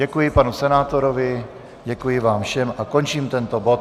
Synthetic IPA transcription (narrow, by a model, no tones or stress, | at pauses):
ɛkujɪpanusɛnaːt̪o̞ɾovɪ | ɟɛkujɪvaːmfʃɛmʔako̞nt͡ʃiːmt̪ɛnt̪obo̞t̪